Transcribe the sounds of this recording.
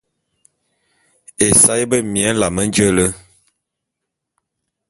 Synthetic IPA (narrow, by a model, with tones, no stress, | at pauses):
e˨sa˦jbə˦˨mjɛ˦n˦la˨mə˦n˦d͡ʒə˦lə˦